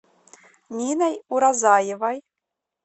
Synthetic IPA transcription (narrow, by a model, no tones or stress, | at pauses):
nʲinæjuɾɑzɑjɤvɑj